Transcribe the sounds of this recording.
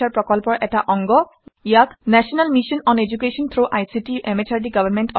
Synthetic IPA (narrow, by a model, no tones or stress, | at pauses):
arprɔkɔlpɔʔeʈaʔɔŋɡɔ | jaknasɔnalmisɔnɔned͡ʒukesɔnt̪ʰroʔajsiʈiemet͡ʃʰaɾɖiɡʌbʱʌrmeɳʈ